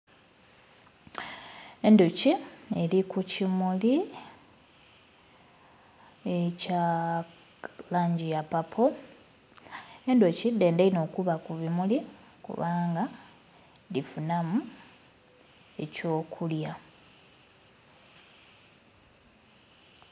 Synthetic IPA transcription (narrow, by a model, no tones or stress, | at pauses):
e̞ndocielikucimuli | eca | laːɲɟijapapʰo | e̞ndocide̞ːndaino̞kuβakuβimuli | kṵβaːŋɡa | difunamu | e̞co̞ːkʰulja